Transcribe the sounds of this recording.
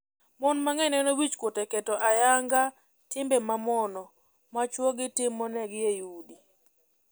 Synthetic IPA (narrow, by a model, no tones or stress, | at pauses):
mɔnmaŋɛnɛnowit͡ʃkwotɛkɛtɔʔajaŋɡa | tɪmbɛmamɔnɔ | mat͡ʃwoɡɪtɪmːɔnɛɡjejudi